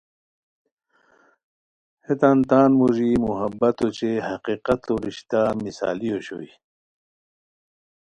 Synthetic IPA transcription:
het̪ant̪aːnmuʑimuɦɐbːɐt̪ot͡ɕeɦɐqiːqɐt̪oɾiɕt̪amisa̰ːlijoɕo̰i

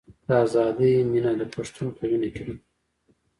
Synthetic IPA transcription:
d̪̥əazɑd̪iminad̪əpaʂt̪unpʰawinikawi

